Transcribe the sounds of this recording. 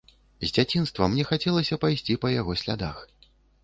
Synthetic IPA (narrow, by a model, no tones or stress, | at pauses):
zʲd͡zʲat͡sʲinst̪vɐmnʲɛxat͡sʲɛlˠɐsʲɐpajsʲt͡sʲipɐjaɣɔsʲlʲa̰d̪ax